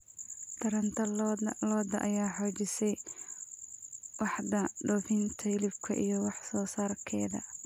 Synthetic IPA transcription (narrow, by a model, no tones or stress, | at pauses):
d̪̥ʰɐɾɐnt̪ʰɐlɔːd̪ɐʔɐ̰jaːħɔt͡ʃɪsɛj | wɑħdɐɖɔːfɪnt̪ʰɐɪlɪbkʰɐʔḭjɞwɑħsɔːsaːrkʰɛːðɐ̰